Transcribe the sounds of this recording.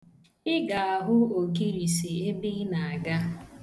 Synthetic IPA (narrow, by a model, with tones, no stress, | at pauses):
ɪ˦ɡa˨a˨ɦʊ˦o˨ki˦ɾi˨si˨e˦bi˦na˨a˨ɡa˦